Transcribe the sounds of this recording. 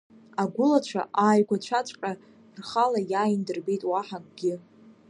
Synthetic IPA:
aɡʷʊlat͡ʃʷʰa̰ʔaːjɡʷat͡ʃʷʰat͡ʃʷʼkʲʼa | rχalajaːjndɨrbejtʼwaħakʼɡʲɪ

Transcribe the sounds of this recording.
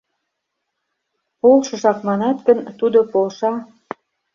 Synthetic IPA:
polʃɤ̆ʒɑkmɑnɑt̪ɡə̆nt̪ud̪opolʃɑ

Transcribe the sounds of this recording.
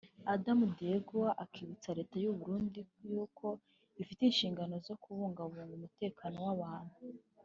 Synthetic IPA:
adamudieɡowaʔakʰiβit͡saɾe̞ːtajuβuɾuːndijuːkʰo̞ | ifitinʃiːŋɡano̞zo̞kuβuːŋɡauβuːŋɡumute̞ːkʰaːno̞waβaːn̥hu

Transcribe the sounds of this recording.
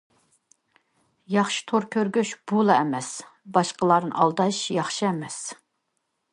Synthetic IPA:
jɑχʃi̥t̪ʰoɾkʲʰøɾɡʲyʃb̥ulˠɑɛmɛsbɑʃqəlˠɑɾnɨ̰ʔɑ̰lˠd̪ɑʃjɑχʃiɛmɛs

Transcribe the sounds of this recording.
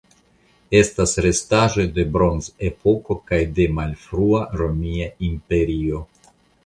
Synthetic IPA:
e̞stasɾe̞staʒo̞jde̞bɾo̞nze̞po̞ko̞kajde̞malfɾuaɾo̞miaimpe̞ɾio̞

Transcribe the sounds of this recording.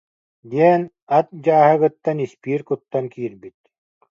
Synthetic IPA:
d̪iɛn | at̪̚d͡ʑaːɦɯɣɯt̪ːanispiːɾkut̪ːaŋkʰiːɾbit̪̚

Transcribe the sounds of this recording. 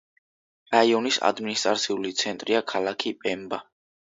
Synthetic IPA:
ɾaiɔnisa̰d̪minist̪ʼɾat̪sʰiulit̪sʰɛnt̪ʼɾiakʰalˠakʰipʼɛmba

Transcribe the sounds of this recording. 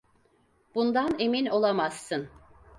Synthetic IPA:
b̥und̪ane̞mino̞lˠamasːɯn

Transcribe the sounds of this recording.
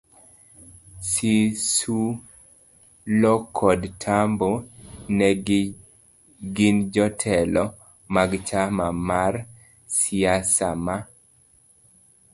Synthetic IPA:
sisu | lɔkʰɔdtʰambonɛ | ɡɪnd͡ʒɔtʰɛlɔ | maɡt͡ʃamamar | siasa̰ma

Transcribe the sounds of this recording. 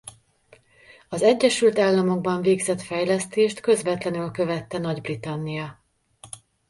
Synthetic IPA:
ɒzɛɟːɛʃylt̪aːlːɒmo̞ɡ̚bɒɱveːɡzɛt̪fɛjlɛst̪eːʃt̪kø̞zvɛt̪lɛnylkø̞vɛt̪ːɛnɒɟbrit̪ɒnːijɒ

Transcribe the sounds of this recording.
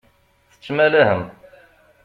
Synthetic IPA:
θə̥t͡ʃːmælæhəm

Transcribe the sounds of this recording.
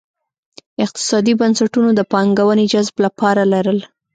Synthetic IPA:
ɪq̚t̪ɪ̥sɑd̪ibansaʈunod̪əpɑŋɡawəned͡ʒazblapɑɾalaɾəl

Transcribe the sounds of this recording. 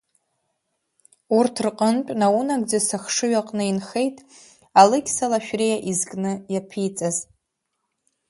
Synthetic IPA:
urtʰrqʼənt͡pʷʼnawunaɡd͡zasaχʂɨɥaqʼnɨinχe̞jtʼ | alɨɡʲsalaʃᶣrejaʔizɡʼnɨjapʰijt͡sʼaz

